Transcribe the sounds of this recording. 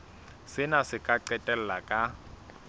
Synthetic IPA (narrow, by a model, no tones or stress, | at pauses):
sɪnasɪkʼaǀɛtʼɛl̩lakʼa